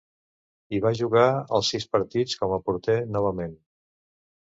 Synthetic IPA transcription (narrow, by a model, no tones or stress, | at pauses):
iβaʒuɣaəlˠsispəɾt̪it͡skɔməpuɾt̪enɔβ̞əmen